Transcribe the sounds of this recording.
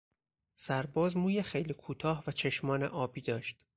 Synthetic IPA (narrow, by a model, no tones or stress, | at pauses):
sæɾbɒːzmuːjexejliːkʰuːt̪ʰɒːhvæt͡ʃʰe̞ʃmɒːnḛʔɒːbiːd̪ɒːʃt̪